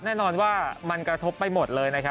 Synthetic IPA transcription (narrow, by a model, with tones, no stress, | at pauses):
nɛː˥˩nɔː˧nwaː˥˩ma˧nkɾa˧t̪ʰo˦˥pːa˧jmo˨˩t̪̚lɤː˧jna˦˥kʰa˦˥